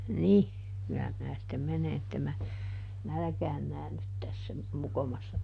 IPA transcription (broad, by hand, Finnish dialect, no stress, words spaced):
nih kylːæ minæ sĭtːem mene etːem mæ nælæ̆kæːn næːnːyt tæsːæ mokomɑsːɑ